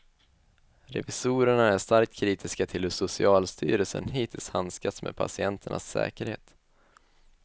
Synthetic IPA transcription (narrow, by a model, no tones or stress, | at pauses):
ɾɛ̰vɪsuːɾəɳaæʂt̪aɾk̚t̪kʰɾiːt̪ʰɪskat̪ʰɪlɵsʊsɪɑːlst̪ʰy̰ːɾəlsə̰nɦiːt̪ʰɪlshanskat̪smḛːd̪̚pʰa̰sɪɛnt̪ʰəɳʔa̰sːɛ̰ːkəɾhḛːt̪